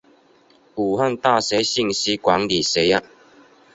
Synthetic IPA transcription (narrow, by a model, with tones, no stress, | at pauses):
u˨˩ha˥˨nt̪a˥˨se˨˦ɕi˥˨ŋɕi˦kwa˨˦ŋli˨˩se˨˦a˦˧